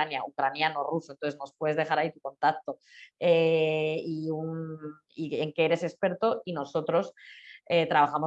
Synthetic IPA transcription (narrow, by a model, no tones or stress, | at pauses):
anjaukɾanjano̞rusont̪oθ̬eno̞spwe̞ðe̞zðe̞xaɾait̪uko̞nt̪ak̚t̪o̞e | iun | ieŋkeeɾe̞se̞spe̞ɾt̪o̞ino̞so̞t̪ɾo̞set̪ɾaβaxamo̞